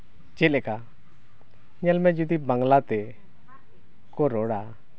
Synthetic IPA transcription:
t͡ʃɛlɛka | ɲɛlmɛd͡ʒɔd̪ibaŋlat̪ɛ | kɔɾɔɽa

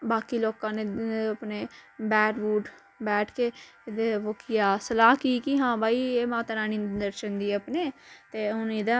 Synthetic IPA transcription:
baːkiːloːkãːneːəpneːbɛːʈbuːʈ | bɛːʈʰkeː | d̪eʋoːkɪjaːsəlaːɦkiːkiɦãːbʱaːiːeːmãːt̪aɾaːniːd̪əɾʃənd̪iːəpneːt̪eːʊniːd̪ãː

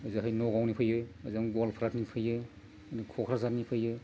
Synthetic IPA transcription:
ɯzɯɦajnɔɡawnipʰɯjɯəzaŋɡolpʰɾatnipʰɯjɯ | nikʰɔkʰɾazatnipʰɯjɯ

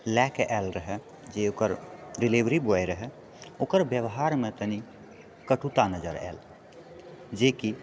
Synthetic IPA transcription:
lɛkʔɛːlɾəɦɛ | d͡ʒeokəɾɾilebɾibojɾəɦɛ | oːkəɾbjəbɦaɾmet̪əni | kəʈʰut̪anəd͡ʒəɾɛ̰ːl | d͡ʒeki

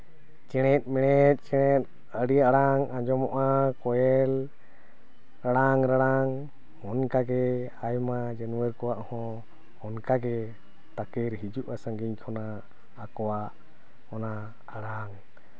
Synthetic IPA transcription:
t͡ʃɛɽ̃ɛt̪̚ˀmɛɽ̃ɛt̪̚ˀt͡ʃɛɽ̃ɛt̪̚ | əɽijaɽaŋãd͡ʒɔmɔʔakɔjɛl | ɾaɽaŋɾaɽaŋ | hɔnkaɡɛ | ajmad͡ʒənuwəɾkɔwaʔhɔ̃ | hɔnkaɡɛ | t̪akɛɾɦid͡ʒuʔasə̃ŋɡiɲkʰɔnaː | kɔwaʔ | ɔna | aɽaŋ

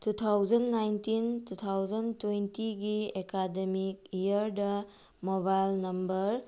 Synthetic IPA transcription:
tut̪ʰawd͡ʒɐnːajntintut̪ʰawd͡ʒɐntwentiɡiekademikijɐɾdɐ | mobajlnɐmbɐɾ

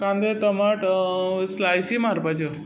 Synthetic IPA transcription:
kãnd̪et̪əmaʈslajsimaɾpat͡ɕə

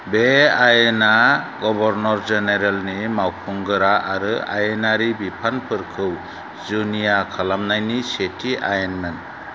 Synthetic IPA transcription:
beajenaɡɔbɔɾnɔɾzeneɾelnimawpʰuŋɡɯɾaʔaɾɯajenaɾibipʰanpʰɯɾkʰɯw | zunijakʰalamnajnisetʰiʔajenmen

